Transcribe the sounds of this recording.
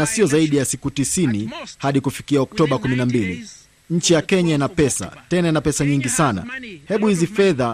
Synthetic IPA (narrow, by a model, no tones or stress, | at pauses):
asiɔzaiɗijasikutisinihaɗikufi̥kiaɔk̚tɔɓakuminambilḭ | ɲ̩t͡ʃijakɛɲainapɛsa̰tɛnainapɛsaɲiŋɡisana̰hɛɓuhizifɛða